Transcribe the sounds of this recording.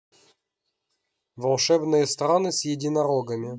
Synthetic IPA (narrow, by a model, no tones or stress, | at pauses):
vɐlˠʂɛvnɨjəst̪ɾanɨsʲjɪdʲɪnɐɾoɡəmʲɪ